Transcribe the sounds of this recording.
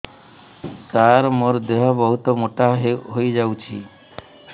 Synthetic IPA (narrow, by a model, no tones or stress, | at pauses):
t̪aɾmoɾd̪eɦɔbɔɦut̪ɔmoʈaɦɦojd͡ʒawt͡ʃʰi